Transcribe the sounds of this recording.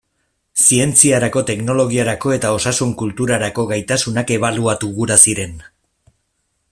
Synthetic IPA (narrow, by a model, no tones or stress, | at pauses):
sie̞nt͡siaɾako̞t̪e̞kno̞lo̞ɣ̞iaɾako̞e̞t̪ao̞sasuŋkult̪uɾaɾako̞ɣajt̪asunake̞β̞aluat̪uɣuɾasiɾe̞n